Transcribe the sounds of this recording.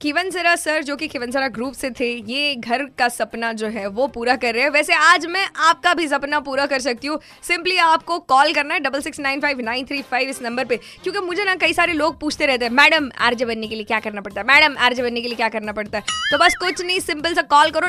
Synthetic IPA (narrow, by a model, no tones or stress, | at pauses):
kʰɪʋəns̬ɪɾasɐɾd͡ʒoːkikʰɪʋəns̬əɾaɡɾuːpset̪ʰejeːɡʱɐɾkasɐpnad͡ʒoːɦɛʋopuːɾakɐɾːɐɦɛʋɛːseaːd͡ʒmɛ̃ʔaːp̚kabʱizɐpnapuːɾakɐɾs̬ɐk̚t̪iɦũ | sɪ̃mpliaːp̚kokɔːlkɐɾnaɦɛɖɐbəlsɪksnãːɪnfaɪʋnãɪ̃nt̪ʰɾiːfaːɪʋɪsnɐ̃mbəɾpe | kjõːkimʊd͡ʒʱenɐkɐisaːɾeloːɡ̚puːt͡ʃʰt̪eɾɛɦt̪eɦɛ̃mɛːɖəma̰ːɾd͡ʒəbɐnːekeliekjaːkɐɾnapɐɽt̪aɦɛmɛːɖəma̰ːɾd͡ʒebɐnːek̬eliekjaːkɐɾnapɐɽt̪aɦɛːt̪obɐskʊt͡ʃʰnɐĩsɪ̃mpəlsɐkɔːlkɐɾo